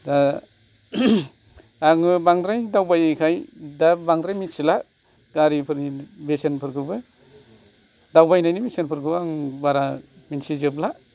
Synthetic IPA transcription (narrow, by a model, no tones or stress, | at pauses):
da | aŋɯbaŋdɾajdawbajkʰajdabaŋdɾajminsila | ɡ̥aɾipʰɯɾibesenpʰɯɾɡɯbɯ | dawbajnajnibesenpʰɯɾkɯwaŋbaɾaminsizɯbla